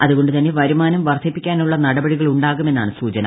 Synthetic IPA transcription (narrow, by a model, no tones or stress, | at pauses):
ɐðuɣo̞ɳɖɨt̪ɐnːe̞ʋɐɾumaːnɐmʋɐrt̪ʰːipːikʲːaːnuɭːɐnɐɽɐbɐɽiɣɐɭuɳɖaːɣume̞nːaːɳɨsuːt͡ɕɐnɐ̰